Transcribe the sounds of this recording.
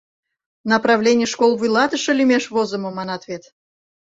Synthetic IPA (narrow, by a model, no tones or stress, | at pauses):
nəprɑvlʲenʲɪjəʃkolˠvɨjlˠɑt̪əʃəlʲymʲeʃvozəməmɑnɑt̪vʲet̪